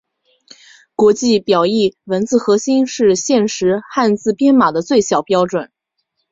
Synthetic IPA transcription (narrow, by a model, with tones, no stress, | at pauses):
kwɔ˧˥t͡ɕi˥˩pjɑ˨˩ʊi˥˩wə˧˥nt͡sɹ̩˥˩xɤ˧˥ɕi˥nʂɻ̩˥˧ɕjɛ˥˩nʂɻ̩˧˥xa˥˧nt͡sɹ̩˥˩pjɛ˥nma˨˩d̪ə˦t͡swe˥˩ɪɕjɑ˨˩ʊpjɑ˥ʊʈ͡ʂwə˨˩˦n